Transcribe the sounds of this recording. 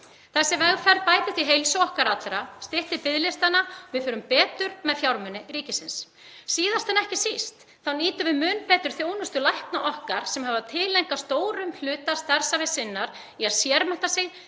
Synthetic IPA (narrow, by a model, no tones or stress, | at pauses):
θasɛmvɛɣfɛɾpaːjt̪ɪht̪iɦejlsoɔhkaɾat̪lɾast̪ɪht̪ɪpɪðlɪst̪anːavɪðfʏːɾʏmpɛːt̪ʏɾmɛðfjawɾmʏnːɪɾiːcɪsɪns | siːðast̪anɛhcɪsist̪ | θawniːt̪ʏvɪðmʏːnpɛːt̪ʏɾ̥θjoːwnʏst̪ʏlajhpnaʔɔhkaɾ̥sɛmhavat̪ʰɪːlejŋkast̪oːwɾʏml̥ʏːt̪ast̪aɾ̥savɪsɪnːaɾ | iaðsjɛɾmɛnt̪asɛɣ